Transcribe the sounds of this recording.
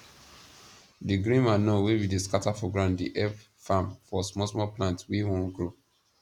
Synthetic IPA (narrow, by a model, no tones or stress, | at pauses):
diɡɾĩnmanowewideskatafɔɡɹãndiʔɛ | fãmfɔsmɔsmɔplãntwewɔ̃nɡɹo